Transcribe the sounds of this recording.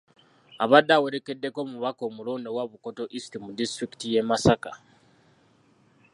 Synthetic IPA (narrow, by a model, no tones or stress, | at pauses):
aβadːawe̞ɾe̞ke̞dːe̞komuβako̞mulo̞ːndo̞waβuko̞to̞ʔistimudistɾiki̥tije̞masaka